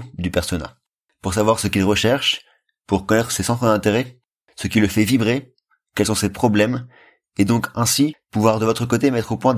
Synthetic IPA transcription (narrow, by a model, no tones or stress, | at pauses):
d̪ypɛʁsɔna̰ | puʁsavwaʁsəkʲilʁəʃɛʁʃ | puʁkɔnɛt̪χə̥sesɑ̃t̪χəd̪ɛ̃t̪eʁɛ | səkʲiləfɛvibʁe | kʲɛlsɔ̃sepχɔblɛm | ed̪ɔ̃kɛ̃sipuvwaʁd̪əvɔt̪χəkot̪emɛt̪χopwɛ̃